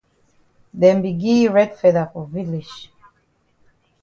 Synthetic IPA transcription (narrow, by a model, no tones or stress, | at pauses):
dɛ̃mbiɡiɹɛdfɛðəfɔvilid͡ʒ